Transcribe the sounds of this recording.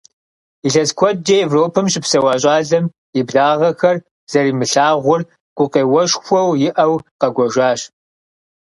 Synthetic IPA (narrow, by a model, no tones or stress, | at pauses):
iɬɐskʷʰɔd͡ʒejɛvroːpʰɨmɕʼɪpsɐwɑːɕʼaːɮɐm | ibdaːʁɐxɐr | z̥ɐɾiːmɨɬaːʁʷʊr | kʷʼʊqeːwɐʃxʷɔwjɪʔɐwqɐɡʷɔʒʷaːɕ